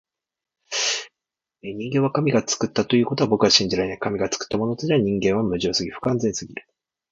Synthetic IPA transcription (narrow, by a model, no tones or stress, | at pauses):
eɲ̟ĩŋɡẽ̞βakamʲiɡat͡sɨ̥kɯt̪ːat̪o̞jɯ̟ːko̞t̪oabo̞kɯβaɕĩɲ̟d͡ʑiɾainaikamʲiɡat͡sɨ̥kɯ̥t̪ːamo̞not̪od͡ʑeaɲ̟ĩŋɡẽ̞ɰ̃βamɯ̟ʑio̞ːsɨɡʲiɸɯ̟̥kãnzẽ̞ɰ̃sɨɡʲiɾɯ̟